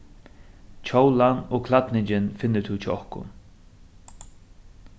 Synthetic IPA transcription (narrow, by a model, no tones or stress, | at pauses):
t͡ʃʰowlanɔːkʰlat̪nɪɲt͡ʃɪnfɪnːɪt̪ʰut͡ʃʰɪɔhkʊ̰n